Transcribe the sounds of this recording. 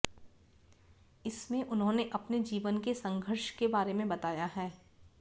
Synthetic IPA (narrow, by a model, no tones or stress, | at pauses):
ɪsmẽʔʊnɦõːneʔɐpned͡ʒiːʋənkesɐ̃ŋɡʱəɾʃkebaːɾemẽbɐt̪aːjaɦɛː